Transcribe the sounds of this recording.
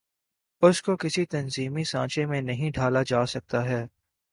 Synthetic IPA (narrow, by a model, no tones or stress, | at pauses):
ʊskokɪsit̪ɐnziːmisãːt͡ʃẽmẽnɐɦĩɖʱaːlad͡ʒaːsɐk̚t̪aɦɛː